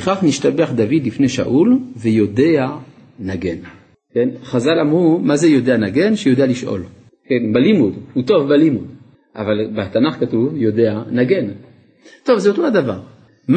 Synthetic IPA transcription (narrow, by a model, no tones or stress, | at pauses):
eχaχniʃtabeaχd̪avid̪lifneʃa̰ʔulvejo̞dea | naɡen | kenχazalamʁumazejo̞deanaɡe̞nʃejo̞d̪ealiʃʔo̰l | kenbalimud̪huto̞vbalimud̪ | ʔa̰valbat̪anaχkatuvjo̞deanaɡen | t̪o̞vzeot̪ohadava̰ʁ | m